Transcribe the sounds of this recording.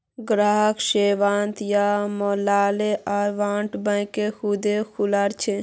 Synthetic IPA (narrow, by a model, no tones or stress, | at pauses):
ɡɾaːɦəkʃeːʋaːnt̪jamoːlaːleaɾʋaːɳʈbə̃jkexud̪ekʰulaɾt͡ʃʰe